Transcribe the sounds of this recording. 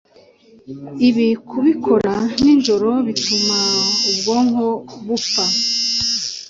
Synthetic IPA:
iβikʰuβikʰo̞ɾaninʒo̞ɾo̞βitumaubɡo̞ːŋhoβufa

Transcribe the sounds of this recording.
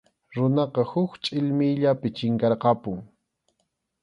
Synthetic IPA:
ɾʊnɑqɑhʊkt͡ʃʼɪʎmɪjʎapɪt͡ʃɪŋkɑɾqɑpʊŋ

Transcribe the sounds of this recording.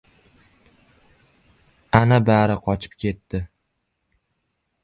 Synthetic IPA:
anabaɾɪqʰɒt͡ʃʰɪ̥p̚kʲʰe̞t̪ːɪ

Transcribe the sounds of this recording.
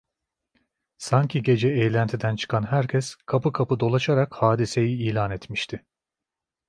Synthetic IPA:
saɲcʰiɟe̞d͡ʒɛejlʲænt̪ʰid̪ænt͡ʃʰɯ̥kʰanɦæɾcʰɛskʰapɯkʰapɯd̪o̞lˠaʃaɾakhaːd̪ise̞jiiːlʲaːnɛt̪miʃt̪ʰɪ

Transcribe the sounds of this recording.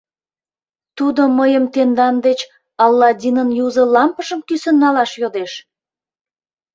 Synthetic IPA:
t̪ud̪oməjəmt̪end̪ɑnd̪et͡ɕ | ɑlːɑd̪ʲinənjuzə̆lɑmpəʃəmkysə̆nːɑlɑʃjod̪eʃ

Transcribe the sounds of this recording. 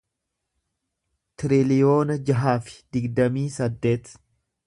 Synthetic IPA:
t̪ɪɾɪlɪjo̞ːnɐd͡ʒɐɦaːfɪ̥d̪̥ɪɡd̪ɐmiːsɐd̪ːe̞ːt̪

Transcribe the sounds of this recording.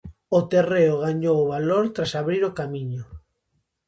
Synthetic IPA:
ot̪ereoɣaɲowoβaloɾt̪ɾasaβɾiɾokamiɲʊ

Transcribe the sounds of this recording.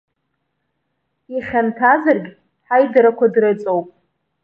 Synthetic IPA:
iχʲantʰazɨrɡʲ | ħajdaɾakʷadrɨt͡sʼowpʼ

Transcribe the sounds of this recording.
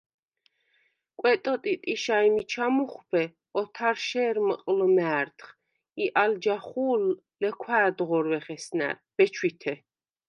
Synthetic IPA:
kʼwɛt̪ʼɔt̪ʼit̪ʼiʃaimit͡ʃʰamuχbʰɛ | ɔt̪ʰaɾʃɛːɾməqʼlmɛːɾt̪ʰχ | iʔald͡ʒaχuːlː | ɛkʰwaːd̪ʁɔɾwɛχɛsnæ̰ɾb̥ɛt͡ʃʰwit̪ʰɛ

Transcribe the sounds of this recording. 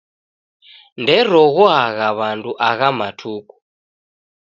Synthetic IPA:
ndɛɾɔɣuɦaɣaβantʰʼuʔaɣamatʰuːkʼu̥

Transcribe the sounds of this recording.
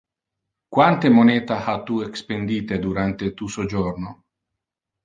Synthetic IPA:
kwant̪emonɛːt̪ahat̪uekspend̪iːt̪ed̪uɾant̪et̪usod͡ʒorno

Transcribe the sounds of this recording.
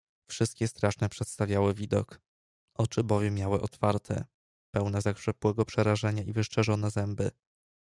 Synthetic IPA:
fʂɘst̪̚kʲɛst̪ɾaʂnɛpʂɛt̪st̪avʲjawɘvʲid̪ɔ̰k | ʔɔt͡ʂɘbɔvʲjɛmːjawɘʔɔt̪faɾt̪ʰɛ̰ | pɛwnɛzakʂɛpwɛɡɔpʂɛɾaʐɛɲaivɘʂt͡ʂɛʐɔn̪ɛzɛmbɘ̰

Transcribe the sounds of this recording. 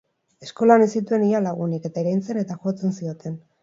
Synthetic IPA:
e̞sko̞lanesit̪ue̞nialaɣ̞unike̞t̪aeɾajnt͡se̞ne̞t̪axo̞t͡se̞nsio̞t̪e̞n

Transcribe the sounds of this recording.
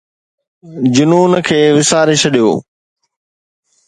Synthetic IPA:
d͡ʑʊnuːnəkʰeːʋɪsaːɾet͡ʃʰɐɗijo̰ː

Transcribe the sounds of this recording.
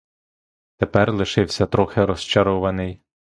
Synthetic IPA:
t̪epɛrlˠɪʃɪwsʲɐt̪ɾɔxɪɾɔst͡ʃɐɾɔʋɐnɪj

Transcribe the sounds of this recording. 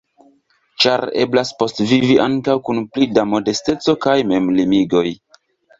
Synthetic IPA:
t͡ʃaɾe̞̰blaspo̞stviviʔaŋkawkunplidamo̞de̞ste̞t͡so̞kajme̞mlimiɡo̞j

